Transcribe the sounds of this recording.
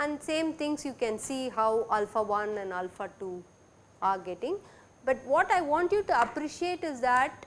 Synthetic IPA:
ɛ̃nɖsẽːmt̪ʰɪ̃ŋɡsjuːkɛ̃nsiːɦaʊalfaʋʌ̃nɛ̃ɳɖalfaʈuː | aːɾɡeʈɪ̃ŋ | bʌʈʋɔːʈaɪʋɔ̃ːɳʈjuːʈuɐpɾiʃieːʈɪzd̪æʈ

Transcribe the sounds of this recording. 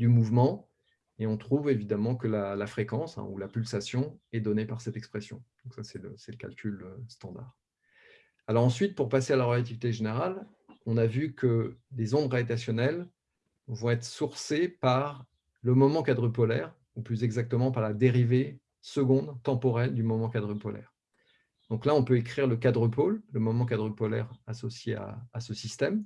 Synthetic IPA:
d̪ymuvmɑ̃ | eɔ̃t̪χuvevid̪amɑ̃kəlalafχekɑ̃sɛ̰̃ulapylsasjɔ̃ɛd̪ɔnepaʁsɛt̪ɛkspχesjɔ̰̃d̪̥ɔ̃ksasɛləsɛləkʲa̰lkʲʰyløst̪ɑ̃d̪a̰ːʁ | alɔʁɑ̃sɥit̪̚puʁpasealaʁəlat̪̬ivit̪eʒeneʁal | ɔ̃navykʰəlezɔ̃d̪ʁaet̪asjɔnɛl | vɔ̃ɛt̪χəsuʁsepaʁ | ləmɔmɑ̃kad̪ʁəpɔlɛʁ | uplyzɛɡzak̚t̪əmɑ̃paʁlad̪eʁive | səɡɔ̃d̪t̪ɑ̃pɔʁɛld̪ymɔmɑ̃kad̪ʁəpɔlɛ̰ʁ | d̪̥ɔ̃klaɔ̃pøekχiʁləkad̪ʁəpolːəmɔmɑ̃k̬ad̪ʁəpɔlɛʁasɔsjea̰ːsəsist̪ɛm

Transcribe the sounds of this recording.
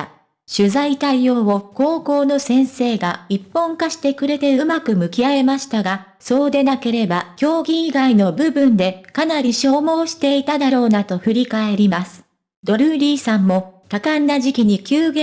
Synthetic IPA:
ɕɨzait̪aio̞ːβo̞ko̞ːko̞ːno̞sẽ̞ɰ̃se̞ːɡaipːõ̞ŋkaɕi̥t̪e̞kɯ̟ɾe̞t̪e̞ɯmakɯ̟mɯ̟kʲiae̞maɕi̥t̪aɡa | so̞ːd̪e̞nake̞ɾe̞bakʲo̞ːɡʲiiɡaino̞bɯ̟bɯ̟̃nd̪e̞kanaɾʲiɕo̞ːmo̞ːɕi̥t̪e̞it̪ad̪aɾo̞ːnat̪o̞ɸɯ̟ɾʲikae̞ɾʲimasɨ̥ | d̪o̞ɾɯ̟ɾʲiːsãmːo̞t̪akanːaʑikʲiɲ̟ikʲɨːɡe

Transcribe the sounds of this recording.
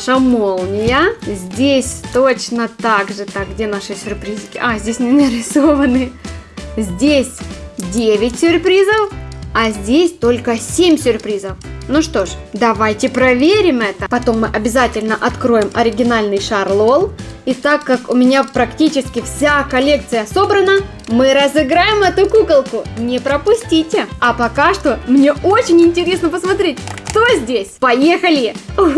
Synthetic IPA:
ʂɐmolˠnʲɪjəzʲdʲesʲt̪ot͡ɕnət̪aɡʐɨt̪aɡ̚ɡdʲenaʂɨsʲʊrpɾʲizɨkʲɪʔazʲdʲesʲnʲɪnɾʲɪsovənɨ | zʲdʲesʲdʲevʲɪtʲsʲʊrpɾʲizəfɐzʲdʲesʲt̪o̞lʲkəsʲemʲsʲʊrpɾʲizəfnuʂt̪o̞ʂd̪ɐvajtʲɪpɾɐvʲeɾʲɪmɛt̪əpɐt̪o̞mːɨʔɐbʲɪzatʲɪlʲnəʔɐt̪kɾo̞jɪmɐɾʲɪɡʲɪnalʲnɨjʂɐrlˠolˠit̪akːakʊmʲɪnʲapɾɐktʲit͡ɕɪskʲɪfsʲakɐlʲe̞kt̪sɨjəso̞bɾənə | mɨɾəzɨɡɾajɪmɛt̪ʊkukəlˠkʊnʲɪpɾəpʊsʲtʲitʲɪɐpɐkaʂt̪o̞mnʲe̞o̞t͡ɕɪnʲɪnʲtʲɪɾʲe̞snəpəsmɐt̪ɾʲetʲkt̪o̞zʲdʲesʲpɐjexəlʲɪ

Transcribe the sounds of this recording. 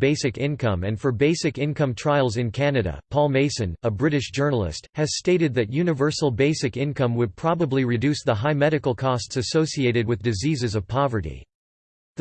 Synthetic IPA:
beɪsɨkɪ̃nkʰʌ̃mɨ̃nfə˞beɪsɨkɪ̃nkʌ̃mtʰɹ̥aɪlˠzɨ̃nkʰænɨɾɨ̰pʰɔlˠmeɪsɨ̃nəbɹɪɾɨʃd̥ʒ̥ɜ˞nl̩ˠɪ̰st̚hɨz̥steɪɾɨd̪̚ðɨt̚jʉnɨvɜ˞sl̩ˠbeɪsɨkɪ̃nkʰʌ̃mwəd̚pʰɹ̥ɑbəbliɹɨdʉsðəɦaɪmɛɾɨkl̩ˠkʰɔstsɨsoʊsieɪɾɨd̚wɨðdɨzizɨzʌv̥pʰɑvə˞ɾḭ

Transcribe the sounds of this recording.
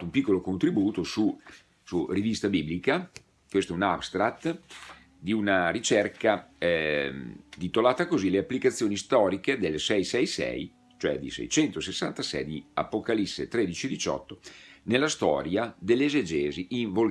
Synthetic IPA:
umpikːolokont̪ɾibuːt̪osu | surivist̪abiblika | kwest̪oɛunabst̪ɾat̪ː | d̪iunaɾit͡ʃɛrka | d̪it̪olaːt̪akozileapːlikat̪sːjoːnist̪ɔːɾiked̪elsɛjsɛjsɛ̰j | t͡ʃoɛ̰d̪ḭsɛ̰jt͡ʃɛnt̪osesːant̪asɛ̰jd̪ia̰pokalisːḛt̪ɾed̪it͡ʃied̪it͡ʃɔ̰t̪ːonelːast̪ɔ̰ːɾjad̪elːezed͡ʒeːziʔiɱvol

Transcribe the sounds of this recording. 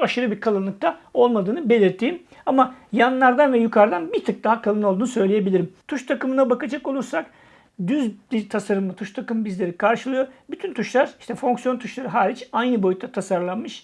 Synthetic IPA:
aʃɯɾɯbiɾkʰalˠɯnlˠɯk̚t̪ʰao̞lˠmad̪ɯːnɯbe̞lʲiɾt̪ʰːiːm | amajanlːˠaɾd̪anvɛjykʰaɾd̪anbit̪ʰɯk̚d̪aɦakʰalˠɯnolˠd̪uːnsø̞jlʲeje̞bilʲiɾimt̪ʰuʃt̪ʰakɯmɯnabakad͡ʒako̞lˠuɾsak | d̪yzbit̪ʰasaɾɯmˠat̪ʰuʃt̪ʰakɯmbizlʲe̞ɾikʰaɾʃɯlˠɯjo̞byt̪ʰynt̪ʰuʃlˠaɾi̥ʃt̪ʰɛfo̞ŋksjo̞nt̪ʰuʃlˠaɾɯɦaːɾʲit͡ʃajnɯbo̞jyt̪ːʰat̪ʰasaɾlˠanmɯʃ

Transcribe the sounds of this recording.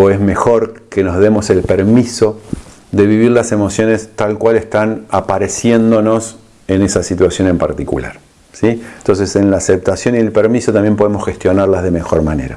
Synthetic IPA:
oe̞zme̞xo̞ɾke̞nozðemo̞se̞lpeɾmiso̞ | ðe̞βiβiɾlase̞mo̞sjo̞nest̪alkwalest̪anapaɾe̞sje̞nd̪o̞no̞s | e̞ne̞sasit̪wasjo̞ne̞mpaɾt̪ikṵla̰ɾ | sint̪o̞ns̬e̞senlaːsep̚t̪asjo̞nielpeɾmiso̞t̪ambje̞mp̬o̞ðemo̞sxe̞st̪jo̞naɾlazðe̞me̞xo̞ɾmane̞̰ɾa̰

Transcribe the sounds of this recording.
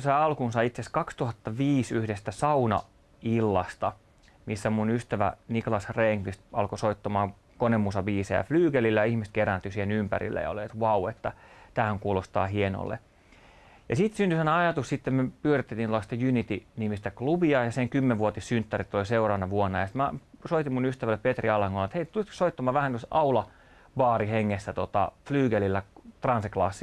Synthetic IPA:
sɑiɑlkunsɑiit̪seskɑkst̪uhɑt̪ːɑʋiːsyhdest̪æsɑunɑ̰ | ilːɑst̪ɑ | misːæmunyst̪æʋæ̰nikolɑsreːŋklist̪ɑlkosoit̪ːɑmɑːŋ | konemːusɑbiːsḛæ̰flyːɡelilːæjɑihmist̪̚kerænt̪ysihenympæ̰rḭlːæ̰jɑ̰o̰liet̪ʋɑuet̪ːæt̪æːhæŋkuːlost̪ɑ̰ːhieno̰lːḛ | jɑsit̪synt̪ysænɑjɑt̪ussit̪ːemmyøpyørit̪ːet̪inlɑst̪ɑjunit̪inimist̪æklubiɑjɑseŋkymːeʋʋuot̪issynt̪ːærit̪ːoliseurɑːnːɑʋuonːɑjɑsi̥t̪mæsoit̪imunyst̪æʋælːeppet̪riɑlɑŋkolːɑet̪heit̪ulit̪ko̥soit̪ːɑmɑːʋæhænosɑulɑ | bɑːriheŋːesːæt̪ot̪ɑ̰flyːɡelilːæt̪rɑnseklɑ̰sːi

